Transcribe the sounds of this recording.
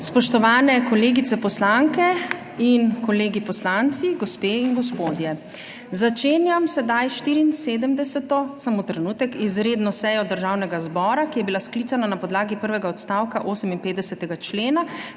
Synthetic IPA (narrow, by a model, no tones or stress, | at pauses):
spɔʃt̪ɔʋaːnɛkɔleːɡit̪sɛpɔslaŋkɛ | inkɔleːɡipɔslant̪siɡospeːinɡɔspoːd̪jɛ | zat͡ʃeːnjamsɛd̪ajʃt̪iɾiːnseːd̪əmd̪ɛsɛt̪ɔsamot̪ɾɛnuːt̪ɛkizɾeːd̪nɔsɛjɔd̪əɾʒaːwnɛɡazbɔːɾakijɛbilasklit̪sananapɔd̪laːɡipəɾʋɛɡaɔt̪st̪awkaʔoːsəminpeːt̪d̪ɛsɛt̪ɛɡat͡ʃleːna